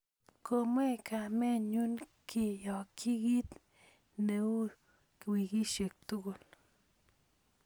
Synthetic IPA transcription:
ko˧m˦e˦˨ka˨me˦nɲu˦nkʰi˧jo˨kʰi˦ɡi˦t̪ | ne˧u˦ | kwi˧ɡi˦ʃe˨k̚t̪u˦ɡo˨l

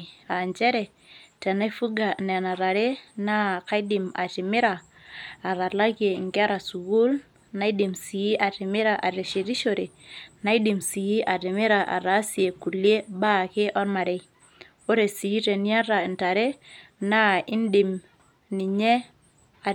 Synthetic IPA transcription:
a˨ɲd͡ʒɛ˦ɾɛ˨ | tɛ˨na˦i˦fu˦ɡa˨nɛ˨na˨ɾa˨ɾe˦na˦ka˦i˦dɪ˨ma̰˨tɪ˨mɪ˦ɾaː˨ | ɾa˨la˦ke˨ŋɡa˦ɾa˨su˨ɡu˦l | na˦i˦di˨msi˨i˦ʔa˨tɪ˨mɪ˦ɾa˨ʔa˨ɾe˨ʃi˨ɾi˦ʃo˨ɾe˨na˦i˦di˨msi˨i˦ʔa˨tɪ˨mɪ˦ɾa˨ʔa̰˨ɾa˨˦si˦e˨ku˨lje˦ba˦˨kɪ˦ʔɔ˦ɾma˨ɾe˦ | o˦ɾe˨si˨i˦te˨ni˦a˦ɾa˨nta˨ɾe˦na˦ɪ˦ndi˨m | ni˨ɲɛ˦ | a˨

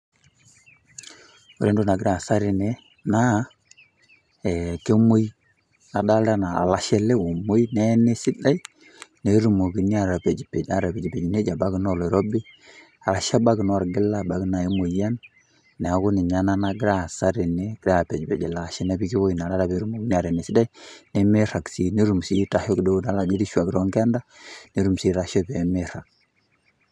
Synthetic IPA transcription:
o˨ɾe˦ndu˦na˨ɡɪ˦ɾa˨sa˦ɾɪ˨nɛ˦ | na˦ | ɛ˨ke˦mo˦j | na˨da˦lda˦na˨a̰˨la˨ʃɛ˦lɛ˦o˨mo˦jnɛ˦ne˦sɪ˦da˦i˦ | ne˨˦ɾu˨mo˨ɡi˨ni˦a˨ɾa˨pɛ˨d͡ʒpɛ˨a˨ɾa˨pɛ˨d͡ʒi˨pɛ˨d͡ʒne˦d͡ʒa˨ba˦knɔ˦˨lɔ˨ɾo˦bɪ˦ | a˨ɾa˨ʃa˦ba˦ɡnɔ˦˨ɾɡɪ˦lːa˦˨ba˨ɡna˨i˦mo˨ja˦nː | ɛ˨a˨ɡu˦nɪ˨ɲa˦na˦na˦ɡɪ˦ɾa˦˨sa˦ɾi˨ne˦ɡɾa˨pɛ˨d͡ʒpɛ˨d͡ʒi˨la˨ʃɛ˦ne˦bi˦ki˦bo˦jna˨la˦ɾa˦be˨˦ɾu˦mo˨ɡi˦ni˦a˨ɾɛ˨ne˨sɪ˦da˦i˦ne˦me˦ɾa˨ksi˨ne˦ɾu˨msi˦ta˨ho˦kdo˦da˨˦la˨d͡ʒi˦di˦ʃwa˨kɾɔ˦ŋɡa˦nda˦ne˨˦ɾu˨msi˦ɾa˨ʃɔ˦pɛ˨me˦ɾa˨k̚

